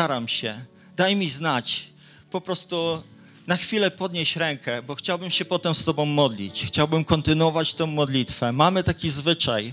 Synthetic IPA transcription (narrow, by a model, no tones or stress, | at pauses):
aɾamɕɛ | d̪ajmʲiznat͡ɕ | pɔpɾɔst̪u | naxfʲilɛpɔd̪ɲeɕɾɛŋkɛbɔxt͡ɕawbɘmɕɛpɔt̪ɛmst̪ɔbɔ̃w̃mɔd̪lʲḭt͡ɕxt͡ɕawbɘmkɔnt̪ɘnwɔvat͡ɕt̪ɔ̃w̃mɔd̪lʲit̪fɛmamɘt̪akʲizvɘt͡ʂaj